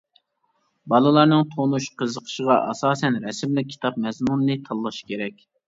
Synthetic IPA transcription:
bɑlˠɨlˠɑɾnɨŋt̪ʰonuʃqʰəzəqʰə̥ʃəʁɑʔɑ̰sɑːsɛnɾɛsɪmlɪk̚ʲʰːi̥t̪ɑp̚mɛzmunɨːɨt̪ʰɑlˠːɑʃkʲeɾɛkʲ

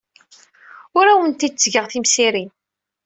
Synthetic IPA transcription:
ʊɾæwənt̪id̪̚t͡sːɡəʁθimsiɾin

